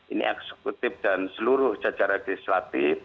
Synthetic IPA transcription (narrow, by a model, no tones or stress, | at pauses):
inḭʔɛ̰ksəkut̪ɪfd̥ansəluɾʊhd͡ʒad͡ʒaɾaɡ̥ist̪ɾat̪if